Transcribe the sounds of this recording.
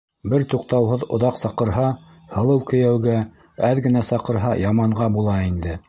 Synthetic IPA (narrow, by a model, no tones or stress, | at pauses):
bɘɾt̪uqt̪ɑwɦoðŏðɑqsɑqɤ̆ɾɦɑ | hɤ̆lˠɤwkɵ̆jæwɡæ | æðɡɘ̆næsɑqɤ̆ɾɦɑjɑmɑɴʁɑbulˠɑind̪ɘ